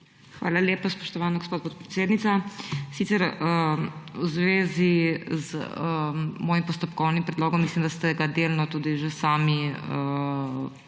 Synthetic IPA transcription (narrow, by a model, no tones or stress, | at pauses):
xʋa̰ːlaljeːpaspɔʃt̪ɔʋaːnaɡospoːd̪pɔt̪̚pɾɛ̥t̪seːd̪nit̪sasit̪sɛɾəuzʋeːziz | mɔːjimpɔst̪ɔpkɔwnimpɾɛd̪loːɡɔmːislimd̪ast̪ɛɡad̪eːlnɔt̪uːd̪iʒesaːmiə